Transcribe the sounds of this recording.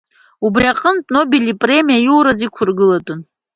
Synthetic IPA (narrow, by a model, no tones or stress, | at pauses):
ubriaqʼəntʼno̞belipʼre̞mijajuwɾazikʷʰʊrɡɨlatʼʊn